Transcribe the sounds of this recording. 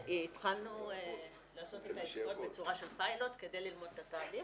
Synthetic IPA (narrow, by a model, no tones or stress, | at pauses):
tχalnu | laːso̞t̪et̪aiʃɡot̪bet͡suʁaʃe̞lpajlo̞t̪ke̞de̞jlilmod̪et̪ataːli